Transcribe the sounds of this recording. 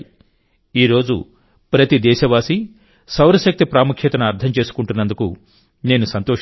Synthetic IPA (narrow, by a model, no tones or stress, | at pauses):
iːɾo̞ːd͡ʒṵ | pɾɐt̪id̪ɛːʃɐʋaːsi | sɐwɾɐʃɐk̚t̪ipɾaːmukʰʃet̪ɐnɐɐɾt̪ʰɐmt͡ʃe̞ːsu̥kuɳʈunːɐnd̪uku | ne̞ːnusɐnt̪oː